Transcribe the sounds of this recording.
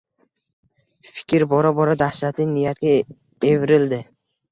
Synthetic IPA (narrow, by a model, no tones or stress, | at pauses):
fɪ̥kʲʰɪɾbɒɾabɒɾad̪ahʃat̪ɪŋnɪjat̪̚ɡʲa | evɪɾɪld̪ɪ